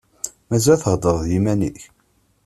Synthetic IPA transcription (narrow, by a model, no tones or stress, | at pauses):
mæzæθəʁd̪əðˤðjimænḭç